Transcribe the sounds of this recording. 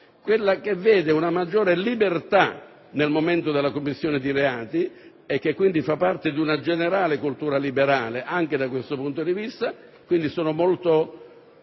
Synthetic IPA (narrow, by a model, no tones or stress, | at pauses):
kwelːakevːeːd̪eunamad͡ʒːoːɾelibert̪a̰ | nelmoment̪od̪elːakomːisːjoːned̪iɾeaːt̪i | ɛk̟ːekːwind̪ifapːart̪ɪd̪iunad͡ʒeneɾaːlekult̪uːɾalibeɾaːleʔaŋked̪akwest̪opunt̪od̪ivist̪a | kwind̪isoːnomolt̪o